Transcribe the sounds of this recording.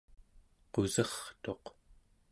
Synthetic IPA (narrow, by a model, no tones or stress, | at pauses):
qozʌχt̪o̞q